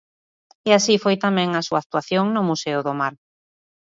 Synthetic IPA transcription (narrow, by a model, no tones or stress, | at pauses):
easifojt̪amɛ̃ŋasuak̚t̪uwaθjoŋnʊmuseʊðomaɾ